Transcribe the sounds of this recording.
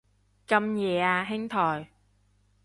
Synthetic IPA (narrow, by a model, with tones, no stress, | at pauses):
ka˧mɲɛ˨˩˦a˧˩ɦɛ˧˥ŋt̪ʰɔː˨˩j